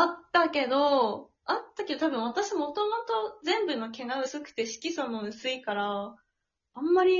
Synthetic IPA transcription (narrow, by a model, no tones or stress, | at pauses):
at̪ːake̞d̪o̞ | at̪ːake̞d̪o̞t̪abɯ̟̃ɰ̃β̞at̪aɕimmo̞t̪o̞mo̞t̪o̞zẽ̞mbɯ̟no̞ke̞ɡaɯ̟sɨkɯ̟̥t̪e̞ɕi̥kʲisonoɯ̟sɨikaɾaː | mːaɾʲi